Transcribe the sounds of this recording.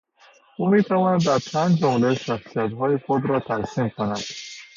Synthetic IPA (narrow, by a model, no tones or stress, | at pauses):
umet̪ʰavɔnad̪ːaɾt͡ʃʰand͡ʒd͡ʒɔmleʃaχsijat̪ɦɔiχud̪ɾɔt̪ʰasimkʰʊnad̪̥